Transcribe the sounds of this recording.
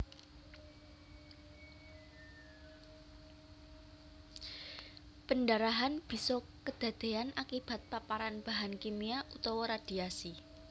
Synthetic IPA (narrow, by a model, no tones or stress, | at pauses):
pəndaɾaɦanb̥i̤sɔkəd̪̥a̤d̪̥e̤anakib̥a̤t̪̚papaɾanb̥a̤ɦankimiaʔut̪awɔɾad̥i̤asi